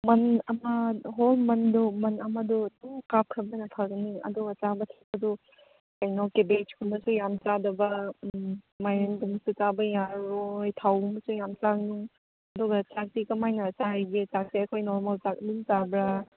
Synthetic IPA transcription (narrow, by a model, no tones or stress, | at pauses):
mɐnɐmɐɦolmɐndumɐnɐmɐdutuŋkap̚kʰɐbɐnɐpʰaɡɐniɐ̰duɡɐt͡ʃabɐtʰaɐdu | kɐjnɔkebed͡ʒkʰumbɐsujamt͡ʃadɐbɐ | majɾendumɐsut͡ʃabɐjaɾojtʰawumbɐsujamt͡ʃaknuŋ | ɐduɡɐt͡ʃak̚tikɐmajnɐt͡ʃaɡet͡ʃak̚seɐkʰojnɔɾmalt͡ʃak̚diŋt͡ʃabɾa